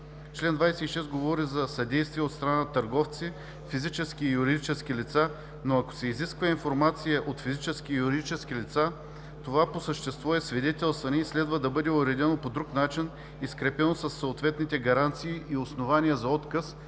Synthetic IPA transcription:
t͡ʃlɛnd̪vajsɛiʃɛsɡovɔɾizɐsɐd̪ɛjst̪viɛot̪st̪ɾɐnant̪ɐɾɡɔft̪si | fizit͡ʃɛskiːjuɾid̪it͡ʃɛskʲilit̪sa | noɐko̥sɛiziskvɐinfoɾmat̪sijəʔot̪fizit͡ʃɛsk̟ijuɾid̪it͡ʃɛskilit̪sa | t̪ovaposəʃt̪ɛst̪vɔɛsvid̪ɛt̪ɛlˠst̪vɐnɛislɛd̪vəd̪ɐbɤd̪ɛoɾɛd̪ʲɛnopod̪ɾuknat͡ʃin | iskɾɛpɛnosɐsːoːt̪vɛt̪nit̪ɛɡɐɾant̪siːʔiosnovaniəzɐɔt̪kəs

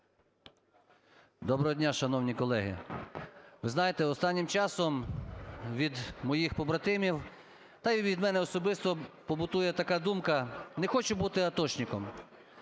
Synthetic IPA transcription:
d̪ɔbɾɦɔdʲnʲaʃɐn̪ɔwnʲikɔlˠɛɦɪ̰ | ʋɪznɑjet̪ɛɔst̪ɑnʲːimt͡ʃɑsɔm | ʋʲid̪mɔjixpɔbɾɐt̪ɪmʲiw | t̪ɑjʋʲid̪mɛnɛɔsɔbɪst̪ɔpɔbʊt̪ujɛt̪ɐkɑd̪umkɐnɛxɔt͡ʃʊbut̪ɪɐt̪ɔt͡ʃnʲɪkɔm

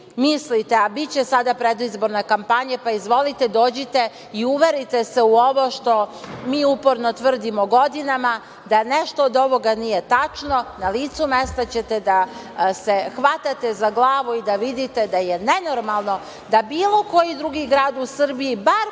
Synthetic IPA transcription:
mislit̪eabitt͡ɕe̞sad̪apɾed̪uizboɾnekampaɲepaizʋo̞lit̪ed̪o̞ːd͡ʑet̪e̞ | iuʋeɾit̪eseuo̞ʋo̞ʃt̪o̞miːupo̞ɾno̞t̪ʋr̩d̪imoɡo̞d̪inama | d̪aneʃt̪oːd̪o̞ʋo̞ɡanijet̪at͡ʂno̞naliːt̪sumest̪at͡ɕe̞t̪ed̪a | se̞xʋat̪at̪ezaɡlˠaːʋuid̪aʋid̪it̪e̞d̪ajene̞no̞ɾmalˠno̞ | d̪abiːlˠo̞ko̞jid̪ɾuɡiɡɾaːd̪usr̩biibaɾ

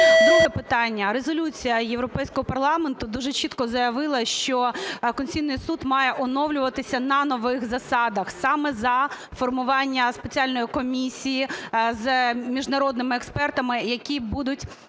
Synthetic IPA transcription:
nɔɦɛpɪt̪ɑnʲːɐɾezɔlʲut͡sʲijɐjeʋɾɔpɛjsʲkɔɦɔpɐrlˠɑment̪ʊd̪uʒɛt͡ʃit̪kɔzɐjɐʋɪlˠɐʃt͡ʃɔkɔnʲsʲijnɪjsud̪mɑjɛʔɔnɔwlʲʊʋɐt̪ɪsʲɐnɐnɔʋɪxzɐsɑd̪ɐxsɑmɛzɐ | fɔrmʊʋɑnʲːɐspet͡sʲiɑlʲnɔjikɔmʲisʲijizmʲiʒnɐɾɔd̪nɪmɪɛkspɛrt̪ɐmɪjɐkʲibud̪ʊtʲ

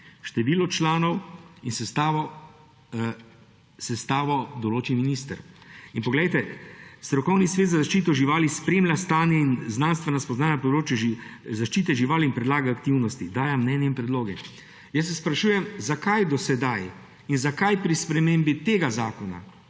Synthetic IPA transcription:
ʃt̪ɛʋiːlɔt͡ʃlaːnɔwinsɛst̪aʋɔ | sɛst̪aːʋɔd̪ɔloːt͡ʃiminist̪əɾinpɔɡlɛjt̪ɛst̪ɾɔkɔwnisʋeːt̪zazaʃt͡ʃiːt̪ɔʒiʋaːlispɾeːmljast̪aːnjɛinznaːnst̪ʋɛnaspɔznaːnapɔd̪ɾoːt͡ʃjuʒzaʃt͡ʃiːt̪ɛʒiʋaːlinpɾɛd̪laːɡaːkt̪iwnɔst̪id̪aːjamnɛːnjɛinpɾɛd̪loːɡɛ | jəs̬ːɛspɾaʃuːjɛmzakajd̪ɔsɛd̪aj | inzakajpɾispɾɛmeːmbit̪eːɡazaːkɔna̰

